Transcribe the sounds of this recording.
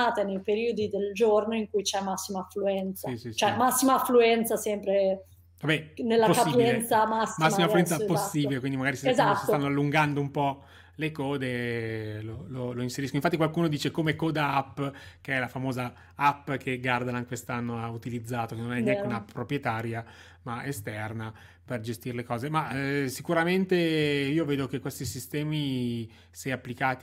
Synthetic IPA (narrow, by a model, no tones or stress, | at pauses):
aːt̪enejpeɾiːod̪id̪eld͡ʒornoiŋkujt͡ʃɛmasːimaːfluɛnt̪sasist͡ʃoɛmasːimaːfluɛnt̪sasɛmpɾe | vabɛnelːapaiɛt̪samasːmasːimafluɛnaposːiːbbilekwind̪imaɡaːɾiszasist̪anːoalːuŋɡand̪oumpɔ | lekɔːd̪e | lololoinseɾiskoiɱfat̪ːikwalkuːnod̪iːt͡ʃekomekoːd̪aapːkeɛlafamoːza | apːk̟ʰeɡard̪anakwest̪anːoaut̪ilid̪zːaːt̪okenːonɛnːjɛnk̪eunappɾopɾjet̪aːɾja | maest̪ɛrna | perd͡ʒest̪iɾelekɔːzemasikuɾament̪eiːoveːd̪ok̟ekwest̪isist̪ɛːmi | sɛjapːlikaːt̪i